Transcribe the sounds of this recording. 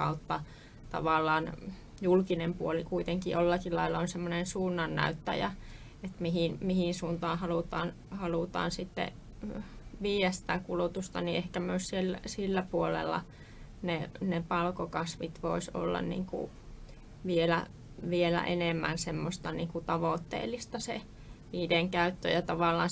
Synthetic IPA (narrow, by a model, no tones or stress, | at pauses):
ɑut̪ːɑ | t̪ɑ̰ʋɑˑlːˑɑːn | julkinempuolikuit̪eŋkiʔolːɑkilɑilːˑɑonsemːonensuːnːɑnːæ̰yt̪ːæ̰jæ̰ | et̪mihinmihinsuːnt̪ɑːnhɑlut̪ɑːn | hɑlut̪ɑ̰ːnsit̪ːḛ | ʋiːjæsĭ̥t̪ækulut̪ust̪ɑniʔehkæmyøssielːæsilːæpuolḛlːɑ̰ | nenepɑlkokɑsʋit̪ʋo̰iso̰lːɑ̰nnḭːŋkṵ | ʋielæ̰ | ʋielæ̰ʔenemːænsemːost̪ɑniːŋkut̪ɑʋoˑt̪ːḛːlːˑist̪ɑsḛ | ʋiːdeŋkæyt̪ːø̰jɑt̪ɑʋɑˑlːˑɑ̰ːn